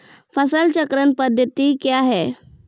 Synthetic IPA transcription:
pʰəsəlt͡ʃəkɾənpəd̪ʱjət̪ikjaɦɛː

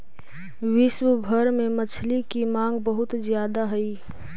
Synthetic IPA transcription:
ʋɪʃwəbʱəɾmẽmət͡ʃʰlikimãːŋɡbəɦʊt̪zjaːd̪aɦɛi

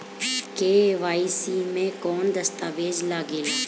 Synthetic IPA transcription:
keːʋaːisiːmẽːkɔːnd̪əst̪aːʋeːd͡ʒlaːɡɪːl

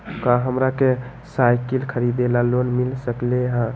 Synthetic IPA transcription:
kaɦəmɾake | sajkilkʰəɾid̪elalonmilsəkleɦã

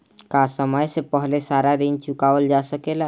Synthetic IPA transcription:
kasəməjsepəɦlesaɾaɾint͡ʃukaʋəld͡ʒasəkela

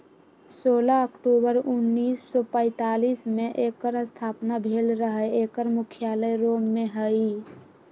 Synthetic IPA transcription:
soːlaəkʈuːbəɾʊnːiːsːɔpə̃ɪt̪aːliːsmẽʔekəɾəst̪ʰaːpnabʱeːlɾəɦəeːkəɾmʊkʰijaːləjɾoːmːeɦəi

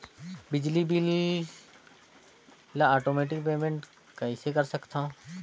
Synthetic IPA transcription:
bɪd͡ʒlibili | laaːʈoːmeːʈɪk̚peːmẽɳʈ | kɐisekɐɾsɐkt̪ã

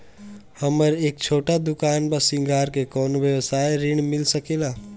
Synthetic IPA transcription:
həməɾeːk̚t͡ʃʰoːʈad̪ʊkaːnbəsɪ̃ŋɡʱaːɾkekɔːnoʋjəʋsaːjɾɪɳmɪlsəkelaː

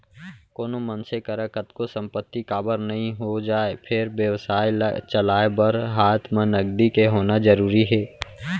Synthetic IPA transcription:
koːnomənsekəɾəkət̪kosə̃mpət̪ːikaːbəɾnɐɦĩɦod͡ʒaːepʰɪɾʋjəʋsaːit͡ʃəlaːebəɾɦaːt̪ʰmẽnəɡɖ̪ikeɦoːnad͡ʒəɾuːɾiɦɛː

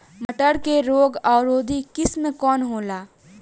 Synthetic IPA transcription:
məʈəɾkeɾoːɡaːɾoːd̪ʱikɪsmekɔːnɦoːlaː

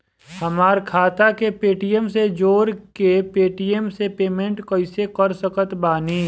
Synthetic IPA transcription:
hɐmaːɾkʰaːt̪akepeːʈijemsed͡ʒoːɾkepeːʈijemsepeːmẽɳʈkəɪsekəɾsəkət̪baːniː

